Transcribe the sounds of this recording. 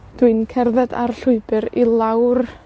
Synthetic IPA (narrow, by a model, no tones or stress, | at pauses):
d̥wɨnkʰɛrðɛda̰rɬʊɨbɨɾilˠawr